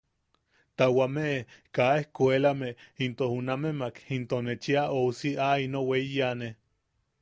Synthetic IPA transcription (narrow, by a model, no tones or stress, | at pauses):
t̪awameʔekaehkʷelameint̪ohunamemakint̪onet͡ʃiaousiainoweijane